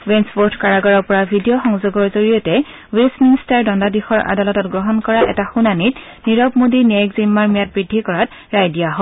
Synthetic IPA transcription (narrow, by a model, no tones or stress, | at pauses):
wenspoɹtʰkaɹaɡɔɹɔɹpɔɹabʱidijɔxɔŋzoɡɔɹzoɹijɔtɛ | wesmiŋstaɹdɔndadixɔɹʔa̰dalɔtɔtɡɹɔɦɔnkɔɹaʔɛ̰taxunanit | niɹɔpmodiniajkzimːaɹmijat̚bɹidʱːikɔɹat | ɹajdijaɦɔ